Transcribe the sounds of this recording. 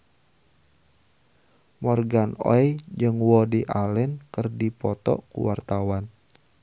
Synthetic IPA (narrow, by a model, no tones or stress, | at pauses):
mɔrɡanɔ̰jd͡ʒɨŋwɔdiʔalɛnkərdipɔt̪ɔ̰kṵwart̪awan